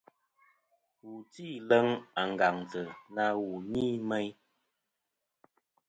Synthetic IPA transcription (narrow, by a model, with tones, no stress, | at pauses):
wu˨ti˦˨lə˦ŋa˨ŋ̩˨ɡa˨ŋtə˨na˧wu˨niː˦˨mɛ˦j